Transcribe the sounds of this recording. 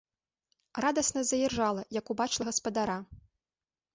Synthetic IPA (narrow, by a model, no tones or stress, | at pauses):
rad̪ɐsnɐzɐjɛrʐalˠɐjɐkubat͡ʂlˠɐɣɐspɐd̪aɾa